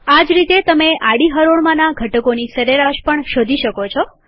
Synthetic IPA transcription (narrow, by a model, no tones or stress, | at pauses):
ad͡ʒɾit̪et̪əmeʔaɽiɦəɾoɽmãnaɡʱəʈəkonisəɾeɾaʃpəɳʃod̪ʱiʃəkot͡ʃʰɔ